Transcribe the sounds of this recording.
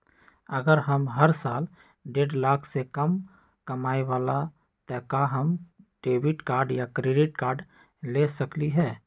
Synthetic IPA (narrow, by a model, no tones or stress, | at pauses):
ɐɡəɾɦəmɦəɾsaːl | ɖeːɖlaːkʰsekɐm | kɐmaːeʋaːla | t̪ɛːkaɦɐmɖ̥eːbɪʈkaːɾɖjakɾeːɖɪʈkaːɾɖ | leːsɐkliɦɛː